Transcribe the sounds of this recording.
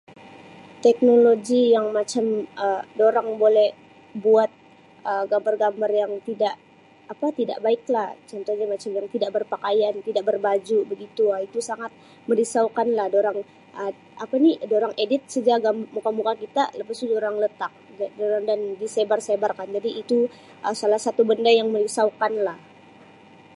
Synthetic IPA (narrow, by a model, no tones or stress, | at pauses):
t̪ɛk̚noloɡijaŋmat͡ʃamədoɾaŋbolɛh | buat̪̚ | əɡambarɡambarjaŋt̪idaʔ | apat̪ida̰ʔbaɪklaht͡ʃɔnt̪oɲamat͡ʃamjaŋt̪idaʔbərpakajant̪idaʔbərbad͡ʒubəɡit̪uait̪usaŋat̪̚ | məɾisawkanlahdoɾaŋ | ʔə | ʔapanidoɾaŋʔedɪt̪̚səd͡ʒaɡambmukamukakit̪a̰ləpasudoɾaŋlət̪ak̚ | doɾaŋdandisebarsebarkand͡ʒadiːt̪u | ʔəsalahsat̪ubəndajaŋməɾisawkanlah